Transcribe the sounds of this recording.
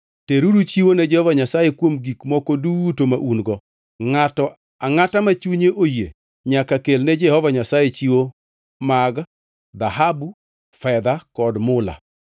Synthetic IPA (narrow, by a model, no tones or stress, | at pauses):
teɾuɾut͡ʃiwonɛd͡ʒɛhɔvaɲasajekwomɡikmɔkɔdutomaʔunɡɔ | ŋatɔ | aŋatamat͡ʃuɲeʔojḛ | ɲakakelnɛd͡ʒɛhɔvaɲasajet͡ʃiwo | maɡ | d̪aɦabu | fɛd̪akɔdmʊla̰